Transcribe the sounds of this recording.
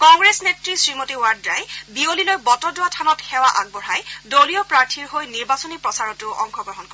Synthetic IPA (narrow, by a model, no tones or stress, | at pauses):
kɔŋɡɹesnetɹisɹimotiwaɹdɹajbiolilojbɔtɔdʊatʰanɔtxɛwaʔaɡ̚bɔɹajdoliɔpɹaɹtʰiɹɦojniɹbasɔnipɹɔsaɹɔtʊʔɔ̰ŋkʰɔɡɹɔɦɔnkɔɹɛ